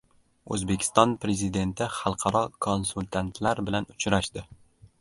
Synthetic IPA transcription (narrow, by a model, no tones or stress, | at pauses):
ɵ̰zbekʲʰɪ̥st̪ɒnpɾe̞zid̪e̞nt̪ʰɪχɑlˠqʰɑɾɒkʰonsʊlʲt̪ʰant̪ʰlaɾbɪlanʊt͡ʃʰɾaʃd̪ɪ